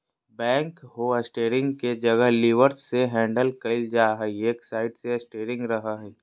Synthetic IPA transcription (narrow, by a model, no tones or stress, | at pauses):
bɛ̃ːŋkɦoɐsʈeːɾɪ̃ŋɡked͡ʒɐɡəɦlɪʋəɾsseɦɛ̃ːɳɖəlkɐɪld͡ʒaːɦɛeːksaːɪʈseɐsʈeːɾɪ̃ŋɡɾɐɦaɦɛː